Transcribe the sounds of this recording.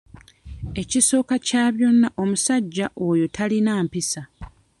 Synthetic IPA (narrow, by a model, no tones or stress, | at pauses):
e̞ciso̞ːkacaːβjo̞nːaʔo̞musaɟːaʔo̞ːjo̞tʰalinaːmpisa